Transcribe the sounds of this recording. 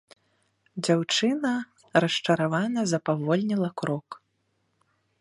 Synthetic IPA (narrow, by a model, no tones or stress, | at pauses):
d͡zʲawt͡ʂɨnɐ | ɾɐʂt͡ʂɐɾavanɐzɐpavɔlʲnʲilˠɐkɾɔk